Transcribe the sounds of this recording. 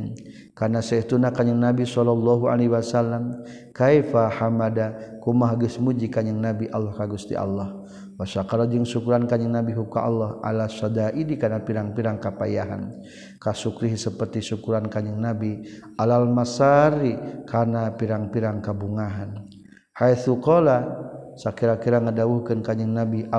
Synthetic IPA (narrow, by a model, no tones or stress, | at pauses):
kanasɛit̪unakaɲəŋnabisɔlɔlːɔɦua̰leɦiwasalːam | kajfahamadakumaɦɡusmud͡ʒikaɲəŋnabiʔalːɔhkaɡust̪ḭʔa̰lːɔh | wasakaɾad͡ʒəŋsukuɾankaɲəŋnabiɦukaʔalːɔhʔa̰lasɔdaʔidikanapiɾaŋpiɾaŋkapajaɦa̰n | kasukɾiɦsəpərt̪isukuɾankaɲəŋnabialalmasaɾikʰanapiɾaŋpiɾaŋkabuŋaɦan | hajθukɔlasakiɾakiɾaŋədauhkənkaɲəŋnabi